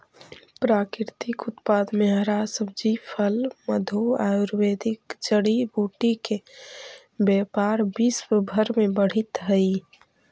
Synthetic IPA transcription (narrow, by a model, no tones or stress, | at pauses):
pɾakɪɾt̪ɪkʊt̪pad̪meɦəɾasəbd͡ʒipʰəlməd̪ʱoajuɾwed̪ʱikd͡ʒəɽibuʈike | bɛpaɾbiswbʱəɾmebəɽ̤it̪ɦəi